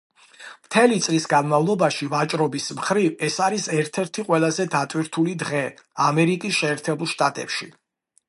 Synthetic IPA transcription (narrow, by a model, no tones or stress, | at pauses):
mt̪ʰɛlit̪sʼlisɡanmavlˠɔbaʃivat͡ʃʼɾɔbismχɾivɛsaɾisɛɾt̪ʰɛɾt̪ʰiqʼwɛlˠazɛd̪at̪ʼwiɾt̪ʰulid̪ʁɛamɛɾikʼisʃɛːɾt̪ʰɛbulˠʃt̪ʼat̪ʼɛ̰pʃi